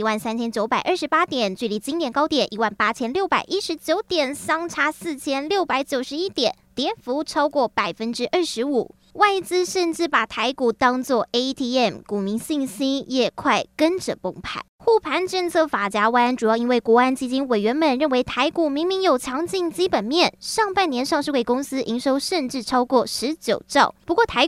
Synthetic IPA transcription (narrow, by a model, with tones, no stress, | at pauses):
i˧˥wa˥˩nsa˥nt͡ɕʰjɛ˥nt͡ɕjo˧˥ʊpa˨˩ɪʔə˞˥˩ʂɻ̩˧˥pa˥t̪jɛ˨˩˦nt͡ɕy˥˩li˧˥˩t͡ɕi˥ŋt̪jɛ˨˩nkɑ˥ʊt̪jɛ˨˩nʔi˧˥wa˥˩npa˥t͡ɕʰjɛ˥nljo˥˩ʊpa˨˩ɪʔi˦˥ʂɻ̩˧˥t͡ɕjo˧˥ʊt̪jɛ˨˩nsɑ˥ŋʈ͡ʂʰa˥sɹ̩˥˩t͡ɕʰjɛ˥nljo˥˩ʊpa˧˥ɪt͡ɕjo˨˩ʊʂɻ̩˧˥i˥t̪jɛ˨˩˦nt̪jɛ˧˥fu˧˥ʈ͡ʂʰɑ˥ʊkwɔ˥˩pa˨˩ɪfə˥nʈ͡ʂɻ̩˥ʔə˞˥˩ʂɻ̩˧˥u˨˩˦ | wa˥˩ɪt͡sɹ̩˥ʂə˥˧nʈ͡ʂɻ̩˥˩pa˨˩t̪ʰa˧˥ɪku˨˩t̪ɑ˥ŋt͡swɔ˥˩e˥ɪt̪ʰi˧˥ɛ˥˩mku˨˩mi˧˥ŋɕi˥˧ŋɕi˥njɛ˥˩kʰwa˥˩ɪkə˥nʈ͡ʂə̰˨˩pʊ˥˩ŋpʰa̰˥˩ɪxu˥˩pʰa˧˥nʈ͡ʂə˥˧nt͡sʰɤ˥˩fa˨˩t͡ɕja˧˥wa˥nʈ͡ʂu˨˩jɑ˥˩ʊi˥nwe˥˩ɪkwɔ˧˥a˥nt͡ɕi˥t͡ɕi˥nwe˨˩ɪɥɛ˧˥nmə˨˩nɻə˥˩nwe˧˥ɪt̪ʰa˧˥ɪku˨˩mi˧˥ŋmi˧˥ŋjo˨˩ʊt͡ɕʰjɑ˧˥ŋt͡ɕi˥˧ŋt͡ɕi˥pə˨˩nmjɛ˥˨nʂɑ˥˧ŋpa˥˩njɛ˧˥nʂɑ˥˧ŋʂɻ̩˥˧we˥˩ɪkʊ˥ŋsɹ̩˥ʔi˧˥ŋʂo˥ʊʂə˥˧nʈ͡ʂɻ̩˥˩ʈ͡ʂʰɑ˥ʊkwɔ˥˩ʂɻ̩˧˥t͡ɕjo˨˩ʊʈ͡ʂɑ˥˩ʊpu˧˥kwɔ˥˩t̪ʰa˧˥